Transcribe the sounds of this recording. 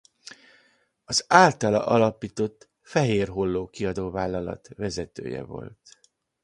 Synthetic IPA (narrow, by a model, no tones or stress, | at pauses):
ɒzaːlt̪ɒlɒ̰ʔɒlɒpiːt̪o̞t̪ː | fɛɦeːrɦolːoːkiɒd̪oːvaːlːɒlɒ̰t̪vɛzɛt̪ø̰ːjɛ̰vo̞̰lt̪